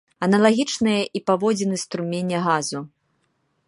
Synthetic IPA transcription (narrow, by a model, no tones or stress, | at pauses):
ɐnɐlˠaɣʲit͡ʂnɨjɐʔipavɔd͡zʲɛnɨst̪ɾumʲenʲːɛɣazu